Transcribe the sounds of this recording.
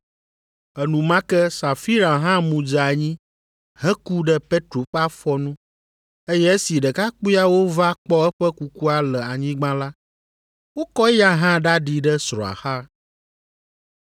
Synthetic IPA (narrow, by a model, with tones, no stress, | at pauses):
ɛ˨nũ˨mã˦kɛ˦sa˨fi˦ɾa˨ɦã˦mũ˨d͡ʒa˨ɲĩ˦ | ɦɛ˦ku˦ɖə˦pe˦t̪ɾo˨ɸa˦fɔ˦nũ˦ | e˦jɛ˦ɛ˦si˨ɖə˨ka˦k͡pu˦ja˦wo˦va˦k͡pɔ˦ɛ˦ɸə˦ku˨ku˦a˨lɛ˨a˨ɲĩ˦ɡ͡bã˦la˦ | wo˦kɔ˦ja˦ɦã˦ɖa˦ɖi˨ɖə˦sɾɔ̰̃˨a̰˨xa˦